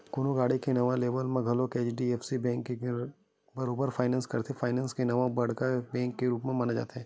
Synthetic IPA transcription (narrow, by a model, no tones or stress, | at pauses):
kʊnoɡaːɽikenɐʋaleːbəlmẽɡʱɐlokeːt͡ʃɖieːfsibɛ̃ːŋkːe | bɐɾoːbəɾfʰaːɪnɛ̃ːnskɐɾt̪ʰefʰaːɪnɛ̃ːnskenɐʋabɐɽkabɛ̃ːŋkːeɾuːpmẽmanad͡ʒa̰ːt̪eɦɛ̃ː